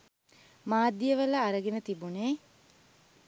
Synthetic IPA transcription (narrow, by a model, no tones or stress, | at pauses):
maːd̪jəʋələːɾəɡenət̪ibuneː